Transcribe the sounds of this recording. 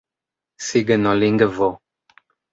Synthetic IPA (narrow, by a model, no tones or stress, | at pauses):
siɡənɔ̃liŋɡəvɔ